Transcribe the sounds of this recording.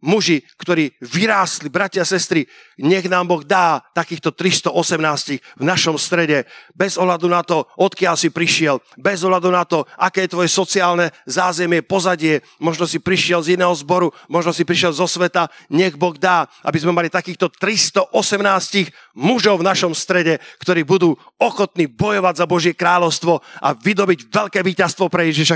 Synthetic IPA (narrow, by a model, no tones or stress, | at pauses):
muʒikt̪ɔɾiːʋiɾaːst̪libɾacɪasɛst̪ɾi | ɲɛɣnaːmbɔɣd̪aːt̪akiːxt̪ɔt̪ɾist̪ɔʔɔsɛmnaːsciɣvnaʃɔmst̪ɾɛɟɛbɛzɔɦlad̪unat̪ɔɔt̪kɪalsipɾiʃɪɛl | bɛzɔɦlad̪unat̪ɔʔakɛːjɛt̪ʋɔjɛsɔt͡siaːlnɛzaːzɛmɪɛpɔzaɟɪɛ | mɔʒnɔsipɾiʃɪɛlzinɛːɦɔzbɔɾumɔʒnɔsipɾiʃɪɛlzɔsʋɛt̪aɲɛɣbɔɣd̪aːʔa̰bizmɛmalit̪akiːxt̪ɔt̪ɾist̪ɔʔɔsɛmnaːsciɣ | muʒɔʊvnaʃɔmst̪ɾɛɟɛkt̪ɔɾiːbud̪uː | ɔxɔt̪niːbɔjɔʋaɟzabɔʒɪɛkɾaːʎɔʊst̪ʋɔʔaʋid̪ɔbiɟʋɛʎkɛːʋiːcast̪ʋɔpɾɛjɛʒiʃa